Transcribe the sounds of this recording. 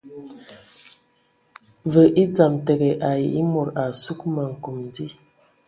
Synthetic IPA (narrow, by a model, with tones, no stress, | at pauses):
və˨ʔi˦d͡za˨mte˨ɡe˨ʔa˨ji˨i˦mo˨ɾa˨su˦kma˨ŋ̩˨ku˨mdi˦